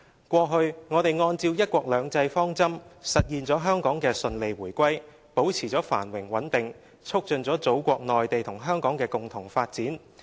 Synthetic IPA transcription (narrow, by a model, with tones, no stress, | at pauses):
kʷɔː˧ɦɵ˧ɥŋɔː˨˧t̪e˨jŋɔː˧nt͡siː˧wjɐ˥t̚kʷɔː˧k̚lœː˨˧ŋt͡sɐ˧jfɔː˥ŋt͡sɐ˥msɐ˨t̚jiː˨˧nt͡sɔː˨˥ɦœː˥ŋkɔː˨˥ŋkɛː˧sɵ˧nle˨˧jwuː˨˩jkʷɐ˥j | po˨˥wt͡sʰiː˨˩t͡sɔː˨˥fa̰ː˨˩nwɪ˨˩ŋwɐ˨˥nt̪ɪ˨ŋ | t͡sʰʊ˥k̚t͡ʃɵ˨nt͡sɔː˨˥t͡so˨˥wkʷɔː˧k̚nɔː˨jt̪e˨jt̪ʰʊ˨˩ŋɦœː˥ŋkɔː˨˥ŋkɛː˧kʊ˨ŋt̪ʰʊ˨˩ŋfaː˧t̚t͡siː˨˥n